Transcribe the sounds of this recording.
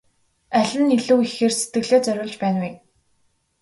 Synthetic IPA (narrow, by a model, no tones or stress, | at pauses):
æɮʲɘ̆niɮuːixeːrset̪ɡɘ̆ɣɮeːt͡sœɾʲʊːɮt͡ɕpæːnwi